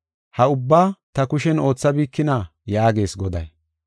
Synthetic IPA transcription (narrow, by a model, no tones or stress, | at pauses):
hɐʊbːaːt̪ɐkʊʃɛno̞ːt͡sːɐbiːkːɪnajaːɡe̞ːsɡɔd̪ɐ̰j